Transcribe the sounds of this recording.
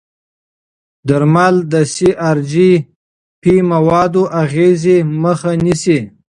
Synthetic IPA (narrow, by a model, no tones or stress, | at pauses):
d̪aɾmald̪əsiʔaɾd͡ʒi | pimawɑd̪oʔaɣezeməxanisi